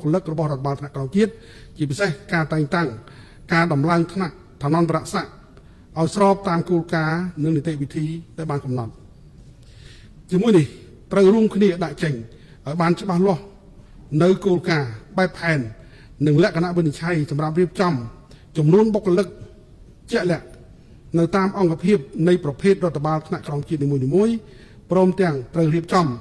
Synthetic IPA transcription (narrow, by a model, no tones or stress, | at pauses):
kʰːəlɨk̚rɔɓɑhroɔət̪ʰːaɓaːlt̪ʰnaʔknɔŋt͡ɕiət̪̚ | t͡ɕiəp̬isehkaːt̪aɛŋt̪aŋ | kaːɗɑmlaəŋt̪ʰnaʔ | t̪ʰanɔnpaɾaʔsaʔ | ʔaɔjsrɑːp̚t̪aːmkoːlkaːnɨŋnit̪eʔʋit̪ʰiːɗaɛjɓaːnkɑmnɑt̪̚ | t͡ɕiəmuəjnih | t̪rəwruəmkʰniəɗaʔt͡ɕəɲ | ʔaɔjɓaːnt͡ɕə̆ɓahlŏəh | nɨwkoːlkaːɓaɛpʰːaɛnː | ɨŋlɛ̆əʔkʰanaʔʋɨnit͡ɕʰajsɑmrap̚riəp̚t͡ɕɑm | t͡ɕɑmnuənɓokːrəlɨk̚ | t͡ɕɛ̆əʔlɛ̆əʔ | nɨwt̪aːmʔɑŋkʰapʰiəp̚nɨjprɑpʰeːt̪̚rŏət̪ʰːaɓaːlt̪ʰnaʔkrɑmt͡ɕiət̪̚niːmuəniːmuəj | prɔːmt̪ɛ̆əŋt̪rəwriəp̚t͡ɕɑm